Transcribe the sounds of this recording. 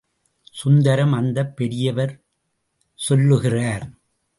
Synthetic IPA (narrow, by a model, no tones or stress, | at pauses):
sʊnd̪ɐɾɐmɐnd̪ɐpːɛɽɪjɐʋɐɾ | sɔlːɯɣɪraːɾ